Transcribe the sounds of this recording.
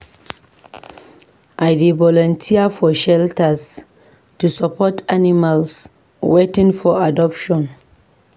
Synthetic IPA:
ʔajdivɔlɔ̃ntʰiafɔʃɛltas | tusapʰɔtanimals | wetĩŋfɔadɔpʃɔ̃n

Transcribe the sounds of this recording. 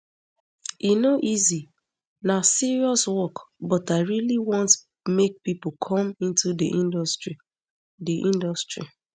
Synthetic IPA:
inoʔizi | nasiɹiɔswɔkbɔtaɪɹiliwɔ̃nt | mek̚pipokʰɔ̃mĩntudiʔĩndsɹi | diʔĩndɔstɹḭ

